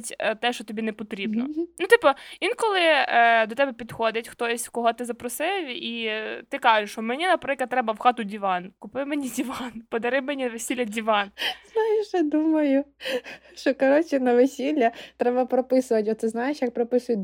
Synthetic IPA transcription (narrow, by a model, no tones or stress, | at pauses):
tʲt̪ɛʃt͡ʃɔt̪ɔbʲinɛpɔt̪ɾʲibnɔnut̪ipɔʋʲinkɔlˠɪd̪ɔt̪ɛbɛpʲid̪xɔd̪ɪtʲxt̪ɔsʲkɔɦɔt̪ɪzɐpɾɔsɪwit̪ɪkɑʒɪʃɔmenʲinɐpɾɪklˠɐt̪ːɾɛbɐwxɑt̪ʊdʲiʋɑnkʊpɪmenʲidʲiʋɑnpɔd̪ɐɾɪmenʲinʋesʲilʲːɐdʲiʋɑnz̥nɑjɪʃjɛd̪umɐjʊ | ʃt͡ʃɔkɐɾɔt͡ʃʲinɐʋɪsʲilʲːɐt̪ɾɛbɐpɾɔpɪsʊʋɐtʲɔt̪sɛznɑjeʃjak̚pɾɔpɪsʊjʊ